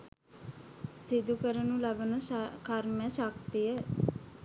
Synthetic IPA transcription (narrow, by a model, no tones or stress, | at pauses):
sɪd̪ukəɾənũːlabənõkʰaɾmɛ̃ːʃakt̪iɛː